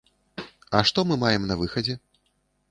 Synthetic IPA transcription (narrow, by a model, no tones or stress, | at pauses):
ɐʂt̪ɔmɨmajɛmnɐvɨxɐd͡zʲɛ